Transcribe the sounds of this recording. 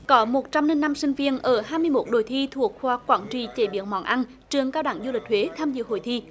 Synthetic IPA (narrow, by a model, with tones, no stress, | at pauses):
kɔ˨˦mo˨˩t̚t͡ɕa˧mne˧nːa˧msï˧ŋ̟vi˧ənʔəː˧˩ɦaː˧jmɨ˧əjmo˨˦˥t̚ɗo˧˩jt̪ʰi˧t̪ʰu˨˩ək̚xwaː˧˩kwaː˧˩nt͡ɕi˧˨˩t͡ɕḛ˧˩ɓḭ˧˩˨ənmɔ̰˧˥nʔa˧n | t͡ɕɨ˨˩əŋkaː˧wɗa˧˩ŋzu˧lï˨˩k̟̚hʰwe˨˦t̪ʰaː˧mzɨ̰˧˨ɦo̰˧˨jt̪ʰi˧